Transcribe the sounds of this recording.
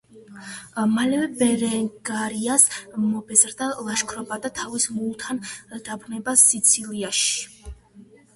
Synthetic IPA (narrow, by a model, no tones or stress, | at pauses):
malɛvɛbɛɾɛŋɡaɾiasmɔbɛzɾd̪alˠaʃkʰɾɔbad̪at̪ʰavismulˠt̪ʰand̪̥abɾnɛbasːit̪sʰiliaʃi̥i̥